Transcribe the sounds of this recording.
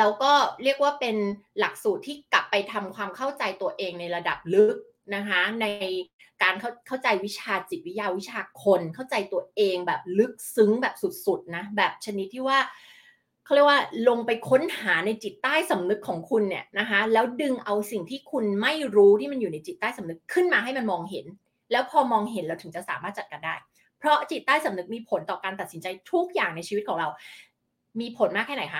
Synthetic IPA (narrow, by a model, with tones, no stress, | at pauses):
lɛː˦˥wkɔː˥˩ɾi˥˩ək̚waː˥˩pe˧nla˨˩k̚suː˨˩t̪ʰːiː˥˩kla˨˩pːa˧jt̪ʰa˧mkʰwaː˧mkʰa˥˩wt͡ɕa˧jt̪u˧ɐʔeː˧ŋna˧jɾa˧da˨˩p̚lɯ˦˥k̚ | na˦˥kʰa˦˥na˧j | kaː˧nkʰa˥˩kʰa˥˩wt͡ɕa˧jwi˦˥t͡ɕʰaː˧t͡ɕi˨˩t̪̚wi˦˥jaː˧wi˦˥t͡ɕʰaː˧kʰo˧nkʰa˥˩wt͡ɕa˧jt̪u˧ɐʔeː˧ŋbɛː˨˩p̚lɯ˦˥k̚sɯ˦˥ŋbɛː˨˩p̚su˨˩t̪̚su˨˩t̪̚na˦˥bɛː˨˩p̚t͡ɕʰa˧ni˦˥t̪ʰːiː˥˩waː˥˩ | kʰa˥˩˨ɾi˥˩əwaː˥˩lo˧ŋpa˧jkʰo˦˥nhaː˩˦na˧jt͡ɕi˨˩t̪ːaː˥˩jsa˩˦mnɯ˦˥kʰːɔː˩˦ŋkʰu˧nːi˨˩əna˦˥kʰa˦˥lɛː˦˥wdɯ˧ŋʔa˧wsi˨˩ŋt̪ʰiː˥˩kʰu˧nma˥˩jɾuː˦˥t̪ʰiː˥˩ma˧njuː˨˩na˧jt͡ɕi˨˩t̪ːaː˥˩jsa˩˦mnɯ˦˥kʰːɯ˥˩nmaː˧ɦa˥˩jma˧nmɔː˧ŋɦḛ˩˦n | lɛː˦˥wpʰɔː˧mɔː˧ŋɦe˨˩˦nɾa˧wt̪ʰɯ˨˩˦ŋt͡ɕa˨˩ʔsaː˩˦maː˥˩t̪̚t͡ɕa˨˩ka˧ndaː˥˩j | pʰɾɔ˦˥t͡ɕi˨˩t̪̚ːaː˥˩jsa˩˦mnɯ˦˥k̚miː˧pʰo˩˦nt̪ɔː˨˩kaː˧nt̪a˨˩t̪̚si˩˦nt͡ɕa˧jt̪ʰu˦˥k̚jaː˨˩ŋna˧jt͡ɕʰiː˧wt̪̚kʰɔː˩˦ŋɾa˧w | miː˧pʰo˨˩˦nmaː˥˩kʰːɛː˥˩na˨˦jkʰa˦˥